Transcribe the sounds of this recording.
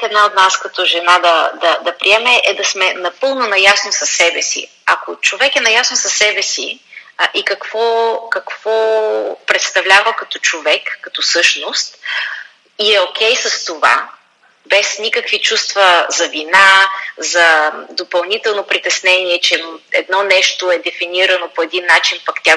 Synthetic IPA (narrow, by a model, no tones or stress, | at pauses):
ɛd̪naot̪naskɐt̪ɔʒɛnad̪ɐd̪ɐd̪ɐpɾiɛmɛʔɛd̪ɐsmɛnɐpɤlˠnonɐjasnosɐsːɛbɛsḭ | ɐkot͡ʃovɛkɛnɐjasnosɐsːɛbɛsḭʔikɐkv̥ɔkɐkv̥ɔpɾɛt̪st̪ɐvlʲavəkɐt̪ɔ̥t͡ʃovɛkːɐt̪ɔsɤʃnost̪ | iɛokʰʲɛjsɐst̪ova̰ | bɛsnʲikəkvit͡ʃust̪vɐzɐvinazɐd̪opɐlˠnit̪ɛlˠnopɾit̪ɛsnɛniɛt͡ʃɛnɛd̪nɔnɛʃt̪oɛd̪ɛfiniɾɐnopoɛd̪inːat͡ʃinpakt̪ʲja